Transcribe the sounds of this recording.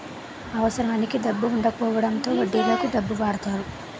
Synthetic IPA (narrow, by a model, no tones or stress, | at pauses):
ɐʋɐsɐɾaːnikid̪ɐbːuːɳɖɐkɔːʋɐɽɐnt̪o̞ːʋɐɖːiːɡɐːk̪iɖɐbːuʋaːɽt̪aːɾu